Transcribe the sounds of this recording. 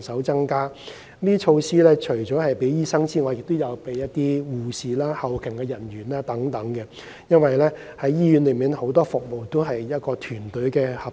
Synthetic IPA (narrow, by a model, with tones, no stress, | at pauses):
sɐ˨˥wt͡sɐ˥ŋkaː˥ | liː˥t͡ʃʰo˧wsiː˥lɛː˥t͡ʃʰɵ˨˩t͡sɔː˨˥hɐ˨jpe˨˥jjiː˥sɐ˥ŋt͡siː˥ŋɔː˨˧jɪ˨k̚t̪o˥wjɐ˨˧wpe˨˧jɐ˥t̚t̪iː˥wuː˨siː˨laː˥hɐ˨wkʰɪ˨˩ŋkɛ˧jɐ˨˩nɥyː˨˩naː˦˥t̪ɐ˨˥ŋt̪ɐ˨˥ŋkɛ˧ | jɐ˥nwɐ˨jlɛː˥ | hɐ˨˥jːiː˥jy˨˥nlɵ˨˧ɥmiː˨˩nho˨˥wt̪ɔː˥fʊ˨k̚mo˨˧wt̪o˥wɦɐ˨jjɐ˥t̚kɔː˧t̪ʰyː˨˩nt̪ɵ˨˥ɥkɛː˧hɐ˨˩